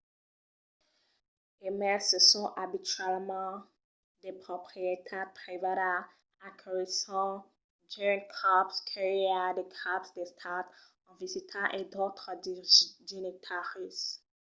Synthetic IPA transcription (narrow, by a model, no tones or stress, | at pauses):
emɛsəsɔ̃ʔabitɥɛlmɑ̃ | d̪epχopχijet̪ʰɛpχivaɾa | akʰelisɑ̃ | d͡ʒĩkʰapskʰaʁiad̪ekʰapsd̪est̪ʰat̪ | ɑ̃vizit̪ʰɑ̃ʔed̪ot̪χədinit̪ʰaʁis